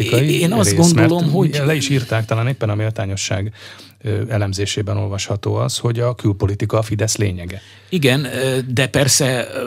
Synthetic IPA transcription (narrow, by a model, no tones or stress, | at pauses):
ikjieːnɒzɡo̞ndmoɛlo̞mɦoɟlɛiʃiːrt̪aːk̚t̪ɒlaːneːpːɛnɒmeːlt̪aːɲo̞ʃːaːɡ | ɛlɛmzeːʃeːbɛno̞lvɒʃhɒt̪oːɒsho̞ɟɒkylpo̞lit̪ikɒfid̪ɛslḛːɲɛɡɛ | iɡɛnd̪ɛpɛrsɛ